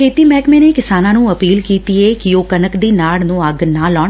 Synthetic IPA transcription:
kʰeːt̪iːmɛːkmẽːneːkɪsaːnãːnũːəpiːlkiːt̪ieːkɪoːkənəkd̪iːnaːɭnũːəɡnãːlɔːɳ

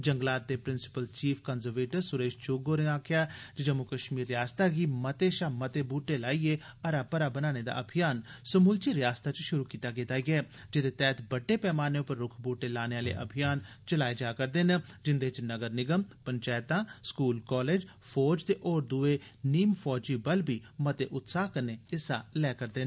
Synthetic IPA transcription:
d͡ʒəŋɡlaːt̪̚d̪eːpɾɪnsɪ̥pəlt͡ʃiːpʰkəːnzəɾʋeːʈəɾsʊɾeːʃt͡ʃʊːɡoːɾeaːkʰjaːd͡ʒɪd͡ʒəmũkəʃmiːɾːjaːst̪aːɡiːmət̪eːʃaːmət̪eːbuːʈːeːlaːiːeːəɾaːpəɾaːbənaːneːd̪a̰ːʔəbʱɪjaːnsəmuːlt͡ʃiːɾɪjaːst̪aːt͡ʃʃʊɾuːkiːt̪aːkɪt̪aːɡɛː | d͡ʒɪd̪eːt̪ɛːt̪bəɖːeːpɛːmaːneːʊpəɾːʊkʰbuːʈeːlaːneːaːlḛːʔə̰bʱjaːn | t͡ʃəlaːeːd͡ʒaːkəɾd̪eːnəd͡ʒɪnd̪eːt͡ʃnəɡəɾnɪɡəmpəɲt͡ʃɛːɪt̪ãːskuːlkɔːleːd͡ʒ | pʰɔːd͡ʒt̪eːʔoːɾd̪ueːniːmpʰɔːd͡ʒiːbəlbiːmət̪eːʔʊt̪saːkəɾneːɪsa̰ːlɛːkəɾd̪eːn

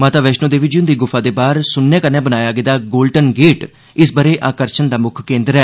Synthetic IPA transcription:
mãːt̪aːʋɛːʃnõːd̪eːʋɪd͡ʒiʊ̃nd̪iːɡʊfʰaːd̪eːbaːɾsʊnːɛ̃ːkənɛ̃ːbənaːjaːɡəd̪aːɡoːlɖənɡeːʈ | ɪsbəɾeːʔaːkəɾt͡ʃʰənd̪aːmʊkʰkẽːnd̪ɾɛː

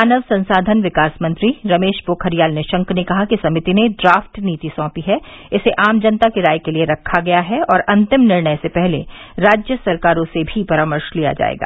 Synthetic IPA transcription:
aːnəʋsɐ̃nsaːd̪ʱənʋɪkaːsmɐ̃nt̪ɾiɾɐmeːʃboːkʰɦɐɾijaːlneʃɐ̃ŋknekɐɦakisɐmɪt̪ineɖɾaːfʈniːt̪isɔ̃ːpiɦɛ | ɪseʔaːmd͡ʒɐnt̪akeɾaːjkelieɾɐkʰːaɡɐjaɦɛɔːɾʔɐ̃nt̪ɪmnɪɾɳəjsepɛɦleɾaːd͡ʒjəsɐɾkaːɾõsebʱipɐɾãːməɾʃlija̰d͡ʒa̰ːḛːɡa̰ː

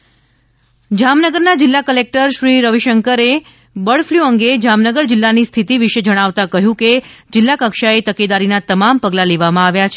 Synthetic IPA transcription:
d͡ʒamnəɡəɾnad͡ʒɪlːakəlek̚ʈəɾʃɾiɾəʋiʃəŋkəɾe | bəɭfljuəŋɡed͡ʒamnəɡəɾd͡ʒɪlːanist̪ʰit̪iʋiʃed͡ʒəɽ̃aʋt̪akəɦjũked͡ʒɪlːakəkʃaet̪əked̪aɾinat̪əmampəɡlaleʋamãaʋjat͡ʃʰe

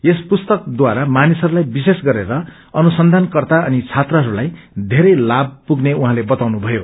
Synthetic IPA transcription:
espust̪ʌk̚d̪waɾamanisɦʌɾulajbisesɡʌɾeɾʌ | ʌnusʌnd̪ʱankʌrt̪aʌnit͡sʰat̪rʌɦʌɾulaj | d̪ʱeɾʌjlab̚puɡneũɦãlebʌt̪awnubʱʌjo

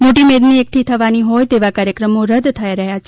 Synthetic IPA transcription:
moʈimed̪niek̚ʈʰit̪ʰəʋaniɦojt̪eʋakaɾjəkɾəmoɾəd̪t̪ʰəjɾəɦjat͡ʃʰe

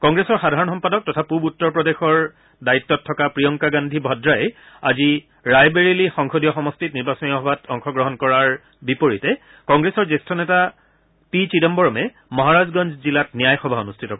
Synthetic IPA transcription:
kɔŋɡɹesɔɹxadʱaɹɔnxɔmpadɔk̚tɔtʰapubutːɔɹpɹɔdexɔɹ | daitːɔtʰːɔkapɹiɔŋkaɡandʱibʱɔdɹajɛ | a̰zi | ɹajbeɹilixɔŋxodijɔxɔmɔstitniɹbasɔniɔɦɔbatʰɔŋxɔɡɹɔɦɔnkɔɹaɹ | bipoɹitɛ | kɔŋɡɹesɔɹzestʰɔnɛta | pit͡ʃidɔmbɔɹɔmɛ | mɔɦaɹazɡɔnd͡ʒʱzilatnijajxɔbʱaonustʰitɔkɔ

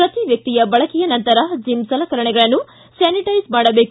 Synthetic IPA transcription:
ɾɐt̪iʋjɐk̚t̪ijɐbɐɭɐkijɐnɐnt̪ɐɾɐd͡ʒimsɐlɐkɐɾɐɳɛɡɐɭɐnːu | saːniʈɐjsmaːɽɐbeːk

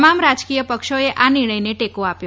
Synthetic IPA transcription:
mamɾad͡ʒkijəpəkʃoeʔanɪɾɳ̃əjneʈekoapjo

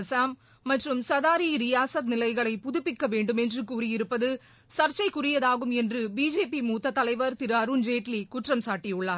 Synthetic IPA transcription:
saːmː | ɐʈrɯmsɐðaːɾiɾɪjaːsɐt̪̚nɪlɐɪɣɐɭɐɪpʊðʊpːɪkːɐʋeːɳɖɯmɛndrɯkuːɾijɪɾɯpːɐðɯ | sɐɾt͡ʃɐɪkʊrɪjɐðaːɣɯmɛndrɯbiːd͡ʒeːpimuːt̪ːɐt̪ːɐlɐɪʋɐɾt̪ɪɾɯɐɾund͡ʒeːʈlikʊʈrɐmsaːʈːɪjɯɭːaːɾ

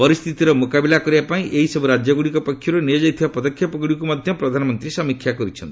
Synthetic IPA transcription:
pɔɾist̪ʰit̪iɾɔmokabilakɔɾibapaĩʔeɦisɔbuɾad͡ʒjɔɡuɽikɔpɔkʰːjɔɾunejɔd͡ʒajt̪ʰibapɔd̪ɔkʰːjɔpɔɡɽikumad̪ʱjɔpɾɔd̪ʱanɔmɔnt̪ɾisɔmikʰːjakɔɾit͡ʃʰɔnt̪i

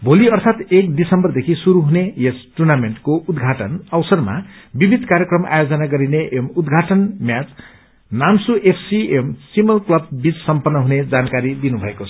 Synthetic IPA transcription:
bʱoliʌrt̪ʰat̪ekd̪isʌmbʌrd̪ekʰisuɾuɦunejesʈurnameɳʈkoud̪ɡʱaʈʌnʌwsʌrma̰bibʱid̪ʱkaɾjekrʌma̰jod͡zʌnaɡʌɾineʔemud̪ɡʱaʈʌnmjat͡s | namsuʔepʰsiemsimʌlklʌbbit͡ssʌmpʌnːʌɦuned͡zankaɾid̪inubʱʌekot͡sʰʌ̥

